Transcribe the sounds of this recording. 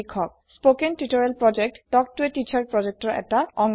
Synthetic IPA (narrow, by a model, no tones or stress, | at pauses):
ikʰːɔk̚ | spokentitɔɹɛlpɹɔd͡ʒek̚tdɔk̚tuetit͡ʃʰaɹ̚pɹɔd͡ʒek̚tɔɹɛ̰taɔŋ